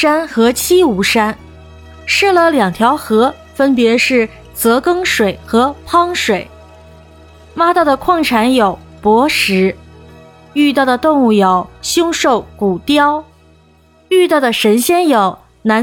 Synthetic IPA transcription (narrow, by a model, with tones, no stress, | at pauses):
a˥nxɤ˧˥t͡ɕʰi˥u˧˥ʂa˥n | ʂɻ̩˥˩lə˩ljɑ˨˩ŋt̪ʰjɑ˧˥ʊxɤ˧˥ | fə˥npjɛ˧˥ʂɻ̩˥˩ | t͡sɤ˧˥kɤ˥ŋʂwe˨˩ɪxɤ˧˥pʰɑ˥ŋʂwe˨˩˦ɪ | ma˥t̪ɑ˥˩d̪ə˩kʰwɑ˥˩ŋʈ͡ʂʰa˧˥njo˨˩ʊpwɔ˧˥ʂɻ̩˧˥ | y˥˧t̪̬ɑ˥˩ʊd̪ə˩t̪ʊ˥˧ŋu˥˩jo˨˩ʊɕjʊ˥ŋʂo˥˩ʊku˨˩t̪jɑ˥ʊ | y˥˧t̪ɑ˥˩ʊd̪ə˩ʂə˧˥nɕjɛ˥njo˨˩ʊ | na˧˥